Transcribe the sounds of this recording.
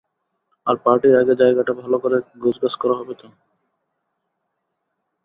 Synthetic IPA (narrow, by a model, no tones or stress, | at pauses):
aɾpaɾʈiɾaɡed͡ʑaeɡaʈabʱalokoɾeɡod͡ʑbaskɔɾaɦɔbet̪o